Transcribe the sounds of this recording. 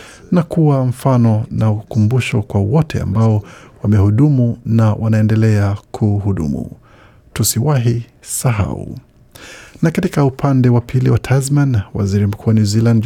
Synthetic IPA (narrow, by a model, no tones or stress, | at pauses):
nakuwam̩fanɔnaukumbuʃɔkwawɔtɛ̰a̰mbaɔwamɛhuɗumunawʔanaɛndɛlɛakʰuhuɗṵmṵ | tusiwaɦisaɦa̰ṵ | nakatikaupʰandɛwapʰiliwatʰazmanwa̰ziɾim̩kʰuaniziland